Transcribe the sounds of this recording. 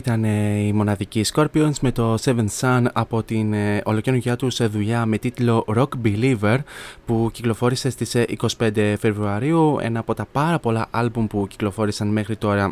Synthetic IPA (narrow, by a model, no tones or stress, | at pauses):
it̪ɐneimo̞nɐðicisko̞ɾpionzme̞t̪o̞se̞vensɐnɐpo̞t̪ino̞lo̞ce̞nuʝɐt̪usðuʎɐme̞t̪it̪lo̞ɾo̞kbilive̞ɾpuciklo̞fo̞ɾise̞st̪isḭko̞si̥pe̞nd̪e̞fe̞vɾuɐɾiuḛnɐːpo̞t̪ɐpɐɾɐpo̞lɐʔɐlbumpuci̥klo̞fo̞ɾisɐnme̞xɾit̪o̞ɾɐ